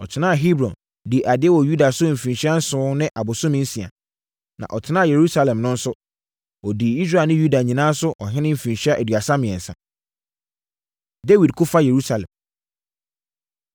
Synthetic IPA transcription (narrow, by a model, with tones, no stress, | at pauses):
ɔ˨t͡ɕʰɪ˨˦nã˦a˨ɦi˦bɾɔ̰̃˨n | di˨ʔa˨dɪ˦ɛ˦wɔ˨ju˦da˨sʊ˦m̩˨fĩ˨nɕi˦a˦n̩˦sʊ̃ː˦nɪ̃˦ʔa˨bʊ˨sʊ̃˦mɪ̃˦n̩˦si˨a̰˨ | nã̰˨ʔɔ˨tʰɪ˨nã˦˨je˨ɾu˦sa˦lɛ̃˨mnʊ̃˦n̩˦sʊ˦ | ɔ˨di˨i˦s̬ɾa˦˨lnɪ̃˦ju˦da˨ɲĩ˨nãː˦sʊ˦ʔɔ˨ɦɪ̃˦nɪ̃˦m̩˨fĩ˨nɕi˦a˦ʔæ˨dɥa˨sa˦mɪ̃˨ɛ̃˨n̩˨sã̰˨ | de˦wi˨d̚kʰʊ˦fa˦je˨ɾu˦sa˨lɛ̰̃˨m